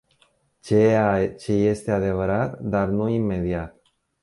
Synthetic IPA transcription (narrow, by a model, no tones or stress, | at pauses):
t͡ʃeat͡ʃe̞je̞st̪e̞ad̪e̞vəɾat̪d̪arnuimːe̞d̪iat̪̚